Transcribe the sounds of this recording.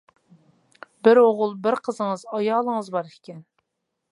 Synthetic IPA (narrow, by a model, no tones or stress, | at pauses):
bɪɾoʁʊlˠbɪɾqʰəzəŋəzɑjɑːlˠəŋəzbɑɾɪ̥kʲʰɛn